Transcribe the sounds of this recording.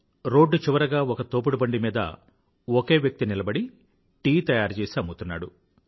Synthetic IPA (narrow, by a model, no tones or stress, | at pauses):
ɾo̞ːɖːut͡ʃiʋɐɾɐɡaːɔkɐt̪oːp̬uɽubɐɳɖimiːd̪ɐ̰ | oke̞ːʋjɐk̚t̪inilɐbɐɽi | ʈiːt̪ɐjaːɾt͡ʃɛːsaːmut̪unːaːɽu